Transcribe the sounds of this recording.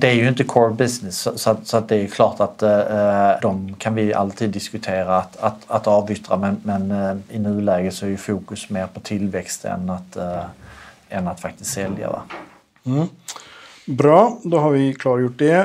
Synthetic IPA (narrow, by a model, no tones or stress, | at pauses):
d̪ɛæɾjɵɪnt̪̬əkʰɔɹbɪsnɪsːɔsɔat̪sɔat̪̚d̪ɛæːɾjɵkʰlɑːʈat̪ | d̪ɔmkʰanvɪa̰lt̪ʰiːd̪ːɪskɵt̪ʰeːɾaːt̪at̪at̪ɑːvʏt̪ɾamɛnmɛnɪnʉ̟ːlɛːɡət̪sɔæɾjɵfuːkɵsmeːɾpʰɔt̪ʰɪlvɛkst̪ɛ̰nat̪ | ɛnat̪fak̚t̪ɪst̪sɛlja̰dɛ̰ | bɾɑːd̪oːhaɾʋɪkʰlɑːɾjʊʈ̚d̪ɛ